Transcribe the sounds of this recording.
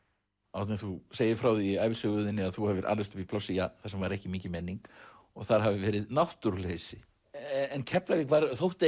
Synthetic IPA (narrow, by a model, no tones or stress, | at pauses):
awt̪nɛθuseːjɪfɾawðiajvɪsʏɣʏðɪnːɪaðθuhɛvɪɾʔa̰ɾlvɪst̪ʏ̥pipʰlɔwsijaθasɛmvaɾɛhcɪmiːcɪmɛnːiŋk | ɔɣθaɾ̥ɦavɪvɛːɾɪðnawht̪uɾlesɪ | ɛncʰɛplavɪkʰvaɾθowht̪e